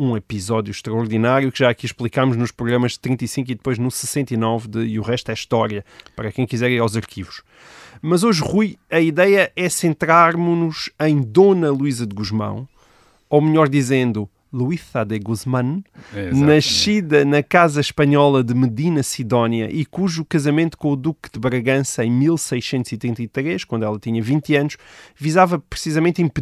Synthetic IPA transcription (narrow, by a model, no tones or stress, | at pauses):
ũipizɔðjuʃt̪ɾɐuɾðinaɾjukʒaɐkiʃplˠikamuʒnuʃpɾuɣɾɐmɐʃt̪ɾĩnt̪ɐisĩŋkuiðɨpojʒnusɨ̥sẽnt̪ɐinɔvd̪ɨiuʁɛʃt̪ɛiʃt̪ɔɾjɐpɐɾɐkɐ̃j̃kizɛɾiɾawzɐɾkʰivuʃ | mɐzoʒʁujɐiðɛjɐʔɛsẽnt̪ɾaɾmunuʃɐ̃j̃d̪onɐlˠuizɐd̪ɣuʒmɐ̰̃w̃ | awmʎɔɾd̪izẽnd̪u | lˠuisad̪eɣuzmɐ̃nnnɐʃiðɐnɐkazɐʃpɐɲɔlˠɐðɨmɨðinɐsiðɔnjɐ̰ʔikuʒukɐzɐmẽnt̪u̥kõud̪ukd̪ɨβɾɐɣɐ̃sɐẽj̃milˠsɐjʃsẽnt̪uz̥it̪ɾĩnt̪ɐit̪ɾeʃkwɐ̃nd̪wɛlˠɐt̪iɲɐvĩnt̪ɐnuʃvizavɐpɾɨsizɐmẽnt̪ĩmp